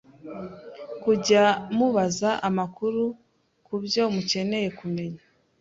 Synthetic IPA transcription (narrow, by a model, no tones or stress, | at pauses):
kuɟamuβazaʔamakuɾu | kubjo̞muce̞ne̞je̞kume̞ɲa